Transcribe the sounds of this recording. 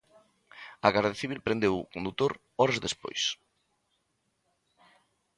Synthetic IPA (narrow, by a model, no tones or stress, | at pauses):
ɐɣaɾðeaθiβ̞ilpɾẽnd̪ewʊkond̪ut̪oɾ | ɔɾɐzðespo̰js